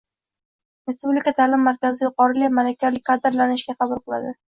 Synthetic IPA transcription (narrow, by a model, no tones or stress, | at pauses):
ɾe̞spublikʲat̪ʰalɪmːaɾkʲʰazɪjʊqɒɾɪlɪmalakʲalɪk̚ʲqʰɑd̪ɪɾlanɪʃɡʲaχɑbʊlˠqɨlˠa̰d̪ɪ